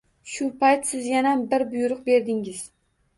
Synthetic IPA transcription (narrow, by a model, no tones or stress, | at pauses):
ʃʊpʰajt̪sɪzjanabɪɾbʊjʊɾʊq̚be̞ɾd̪ɪŋɪz̥